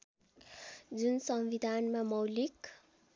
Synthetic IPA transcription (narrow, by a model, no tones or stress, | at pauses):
d͡zunsʌmʋid̪ʱanmamʌwlik